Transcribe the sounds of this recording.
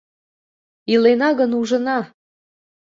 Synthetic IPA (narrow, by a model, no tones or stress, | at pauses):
ilenɑɣənuʒə̆nɑ